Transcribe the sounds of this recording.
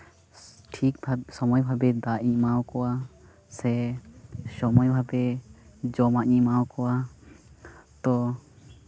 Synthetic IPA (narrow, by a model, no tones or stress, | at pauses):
ʈʰik̚bʱasɔmɔjbʱabɛd̪aɲimawkɔwa | sɛ | sɔmɔjbʱabɛd͡ʒɔmaɲimawkɔwa | t̪ɔ